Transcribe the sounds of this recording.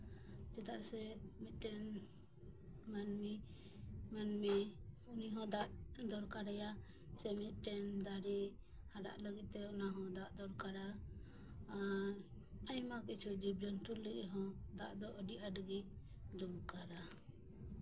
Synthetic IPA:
d͡ʒɛt̪aʔsɛmit̪̚ˀʈɛn | manmi | manmi | uniɦɔ̃d̪aʔd̪ɔɾkaɾɛja | sɛmit̪̚ˀʈɛnd̪aɾi | haɖa̰ʔləɡit̪̚t̪ɛɔnaɦɔ̃d̪aʔd̪ɔɾkaɾaː | ɾ | əjmakit͡ʃʰud͡ʒibɾɔnʈulləɡɛɦɔ̃d̪aʔd̪ɔʔəɖiʔaɖɡi | d̪ubkaɾa

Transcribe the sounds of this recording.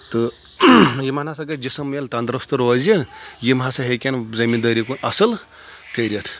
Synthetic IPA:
t̪ɨ | jimanasɐɡɐd͡ʒisɐmelt̪ɐnd̪ɾɐst̪uɾʋɐzijimɦasaɦekʲanzɐmind̪əɾikunɐsɐl | kəjɾʲɐt̪ʰ

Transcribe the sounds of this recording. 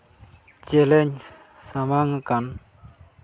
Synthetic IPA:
t͡ɕeleɲ | samaŋəkan

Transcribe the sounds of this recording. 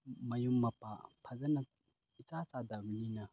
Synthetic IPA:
mɐjumːapa̰pʰɐzɐna | it͡sat͡sad̪ablina

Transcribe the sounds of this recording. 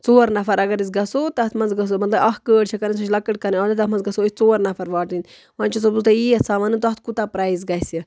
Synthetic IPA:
t͡soːɐɾnɐfɐɾɐɡɐɾisɡɐsoːt̪ɐɐt̪ʰmɐnzɡɐs̬omɐt̪lɐbɐɦkəːɽt͡ʃʰɐkɐɾĩs̬ot͡ʃʰlɐkːɐʈkɐɾiaːlit̪ɐt̪mɐ̃nzɡɐsoit͡soːɐɾnɐfʰɐɾʋaːʈinʲ | ʋãːnt͡ʃosɐbzut̪ɐiːɐsaʋɐnɨt̪oɐt̪̚ʰkut̪aːpɾaːzɡɐjsi

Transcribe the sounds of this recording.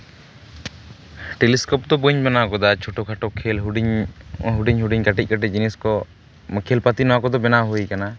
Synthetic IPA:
ʈeliskɔp̚d̪ɔbuɲbanakɔd̪at͡ʃʰɔʈɔkʰaʈɔkʰːɛlɦɖiɲɦuɖiɲɦuɖiɲkaʈic̚ˀkaʈic̚d͡ʒiniskɔ | məkʰɛlpat̪inɔwakɔd̪ɔbɛnaɦujkana

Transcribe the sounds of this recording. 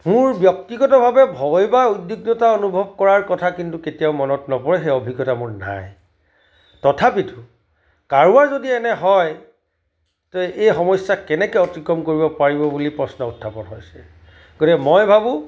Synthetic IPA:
mʊɹbjɔk̚tiɡɔtɔbʱabɛbʱɔjbaujdːjuɡnɔtaonubʱɔb̚kɔɹaɹkɔtʰakintuketijaʊmɔnɔtnɔpɔɹɛxejɔbʱiɡːɔtamʊɹna̰j | tɔtʰapitu | kaɹuaɹzodiɛnɛɦɔj | tɔejxɔmɔjsjakɛnɛkɛɔtɹikɹɔmkoɹibɔpaɹibɔbulipɹɔsnɔutʰːapɔnɦojsɛ | ɡ̥otikɛmɔjbʱabʊ̃

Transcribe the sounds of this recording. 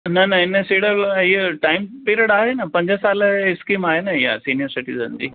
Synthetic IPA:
nɐnɐɪnəsiːɽəliʈaːɪmpeːɾiəɽaːɦenɐpɐ̃ɲd͡ʑəsaːlɪskiːmaːɦenɐɪja̰siːnijəɾsɪʈḭzə̰nd͡ʑḭː

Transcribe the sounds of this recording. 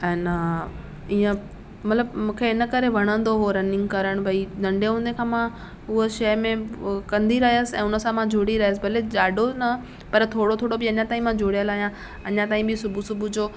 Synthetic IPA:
ɛ̃ːn | iːə̃ | mɐt̪ləbmũːkʰeɪnə̆kɐɾeʋʱɐɽ̃ə̃nd̪oɦoɾɐnɪ̃ŋɡ̚kɐɾəɽ̃bʱɐinɐ̃ɳɖeɦũːnd̪ekʰãːmã | ʊɦoʃɐjmẽkɐ̃nd̪ʱiɾɐɦiəsɪɛ̰̃ːʊnəsãmãd͡ʑʱoɽiɾɐɦijəs̬ɪbʱɐled͡ʑaːɖʱonɐ | pɐɾt̪ʰoːɽot̪ʰoːɽobɪɐɲãt̪aːɦĩmãd͡ʑʱoːɽijəlaːɦijã | ɐ̰ɲãt̪aːĩbɪsʊbʱusʊbʱud͡ʑoː

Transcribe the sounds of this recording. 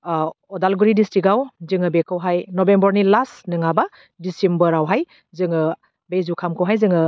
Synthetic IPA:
ɔdalɡuɾidistiɡawzɯŋɯbekʰɯwɦajnɔbembɔɾnilasnɯŋaba | disembəɾawɦaj | zɯŋɯ | bejzukʰamkʰɯwɦajzɯŋɯ

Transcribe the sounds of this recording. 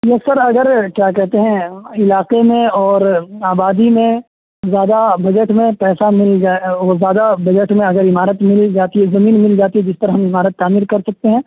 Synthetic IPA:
jesɐɾɐɡəɾkjaːkɛɦt̪eɦɛ̃ɪlaːqemẽɔːɾaːbaːd̪imẽ | zjaːd̪abɐd͡ʒəʈmẽpɛːsamɪld͡ʒaozjaːd̪abɐd͡ʒəʈmẽɐɡəɾɪmaːɾət̪mɪld͡ʒaːt̪iɦɛzɐmiːnmɪld͡ʒaːt̪iɦɛd͡ʒɪsp̪ɐɾaɦɐmɪmaːɾət̪ːaːmiːɾkɐɾsɐk̚t̪eɦɛ̃ː

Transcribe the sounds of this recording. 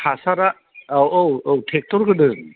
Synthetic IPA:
hʰasaɾa | awowowtʰek̚tɔɾkɯdɯ

